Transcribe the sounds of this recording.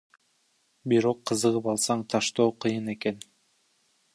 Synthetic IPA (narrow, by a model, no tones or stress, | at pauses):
biɾo̞qʰːɯzɯʁɯpɑlˠsɑɴt̪ʰɑʃt̪oːqʰɯjɯne̞ke̞n